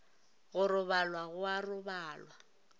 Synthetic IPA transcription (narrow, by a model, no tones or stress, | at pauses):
ɣʊɾʊβalwaɣʊarʊbaːlwa